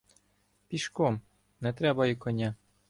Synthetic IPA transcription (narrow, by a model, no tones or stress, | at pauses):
pʲiʃkɔm | nɛt̪ɾɛbɐjikɔnʲa